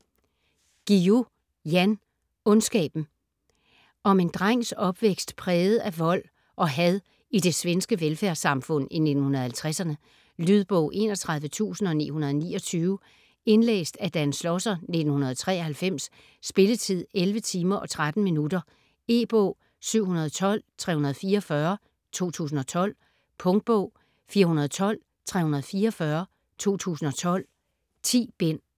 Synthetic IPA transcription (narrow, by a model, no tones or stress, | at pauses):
ɡ̥io | jæn | ɔ̽nsɡ̥ɛ̰ːb̥n̩ | ɒ̽me̝nd̥ʁaŋ̰sɒ̽b̥ʋeɡ̥sd̥pʰʁɛːð̩ˠæʋɒ̽l̰ | ʔɒ̽ɦæðˠ | id̥e̝sʋensɡ̥əʋelfæɐsɑ̈mfɔ̽n̰ine̝d̥n̩hunɐð̞̩ˠhælt͡sʰʁasɐnə | lyð̞ˠb̥ɔ̰ʊʔe̝̰ːnɒ̽t͡sʰʁɑ̈ðˠʋət͡sʰṵːsn̩ɒ̽nḭːhunɐð̞ˠɒnḭːɒ̽t͡sʰyːʊ | e̝nlḛːsd̥æd̥ænslɒsɐne̝d̥n̩hunɐð̞ˠɒt͡sʰʁɛ̰ːɒhælfem̰sː | b̥e̝lət͡sʰið̰ˠelʋət͡sʰiːmɐʔɒ̽t͡sʰʁad̥n̩minud̥ɐ | e̝ːb̥ɔ̰ʊ | syʊ̰hunɐð̞ˠt͡sʰɒ̽l̰t͡sʰʁɛ̰ːunɐð̞̩ˠfiːɐɒfɶɐ | t͡sʰo̝̰ːt͡sʰṵːs̬n̩ɒ̽t͡sʰɒ̽l̰ | pʰɔ̽ŋd̥̚b̥ɔ̰ʊ̰ | fiːɐhunɐð̞ˠt͡sʰɒ̽l̰ | t͡sʰʁɛ̰ːhunɐð̞ˠfiːɐɒfɶɐ | t͡sʰo̝̰ːt͡sʰṵːsn̩ɒ̽t͡sʰɒ̽l̰ | t͡sʰḭːb̥en̰